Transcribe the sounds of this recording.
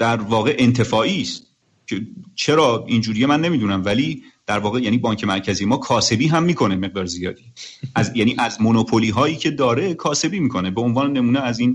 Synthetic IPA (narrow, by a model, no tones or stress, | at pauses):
d̪̥æɾvɒːɣeʔe̞nt̪ʰe̞fɒːʔiːst̪̚ | cʰet͡ʃʰe̞ɾɒːind͡ʒuːɾiːjemænːe̞miːd̪uːnæmvæliːd̪̥æɾvɒːɣejæːniːbɒːɲcʰe̞mæɾcʰæziːje̞mɒːkʰɒːse̞biːɦæmːiːkʰo̞ne̞me̞ɣ̚d̪ɒːɾzijɒːd̪iːæzjæːniːʔæzmonopʰoliːɦɒːjiːcʰe̞d̪ɒːɾe̞kʰɒːse̞biːmiːkʰo̞ne̞beonvɒːnene̞muːneæziːn